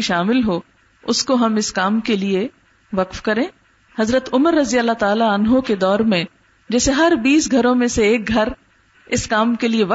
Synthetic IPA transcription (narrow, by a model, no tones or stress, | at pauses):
iʃaːmɪlɦo | ʊskoɦɐmɪskaːmkelie | ʋɐqfkɐɾẽː | hɐzɾət̪ʊməɾːɐzijalːat̪aːlaɐnɦõked̪ɔːɾmẽ | d͡ʒɛːseɦɐɾbiːsɡʱɐɾõmẽseeːk̚ɡʱɐɾ | ɪskaːmkelieʋɐ